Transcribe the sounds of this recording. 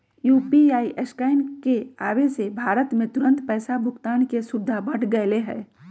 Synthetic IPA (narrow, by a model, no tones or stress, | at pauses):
juːpiaːiʔeskaːɪnkeaːʋesebʱaːɾət̪mẽt̪ʊɾə̃nt̪pɛːsabʱʊkt̪aːnkesʊbd̪ʱabɐʈʰɡəeleɦɛ̰ː